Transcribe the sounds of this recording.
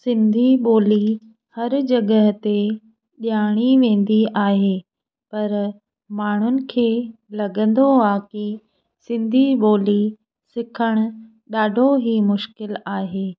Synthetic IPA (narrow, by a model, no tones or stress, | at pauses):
sɪ̃nd̪ʱiɓoːli | hɐɾd͡ʑɐɡəɦt̪e | ɗijaːɽ̃iʋẽːn̆d̪iaːɦeː | pɐɾ | maːɳ̤ʊnɪ̆kʰeːlɐɡə̃nd̪oaːki | sɪ̃nd̪ʱiɓoːli | sɪkʰəɽ̃ʊ̆ | ɗaːɖʱoɦimʊʃkɪlaːɦeː